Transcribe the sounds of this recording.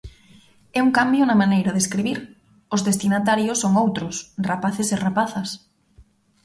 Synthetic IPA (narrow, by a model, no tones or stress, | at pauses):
ɛuŋkambjʊnamanejɾaðeskɾiβiɾ | ʊzðest̪inat̪aɾjosːoŋowt̪ɾʊsrapaθesɪrapaθas